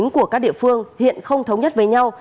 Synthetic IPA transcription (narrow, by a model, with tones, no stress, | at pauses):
ŋku˧˩əkaː˦˥k̚ɗḭ˧˨əfɨ˧əŋhḭ˧˨ənxə˧wŋ͡mt̪ʰə˨˦wɲə˦˥t̚ve˨˩ɲa˧w